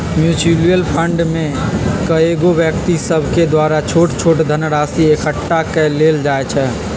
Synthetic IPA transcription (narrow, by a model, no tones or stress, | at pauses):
mjut͡ʃilijəlpʰəɳɖmẽkəeɡobjəkt̪isəbʱked̪waːɾat͡ʃʰoːʈt͡ʃʰoːʈd̪ʱənɾaːsiekəʈːakɛleːld͡ʒaːet͡ʃʰɛ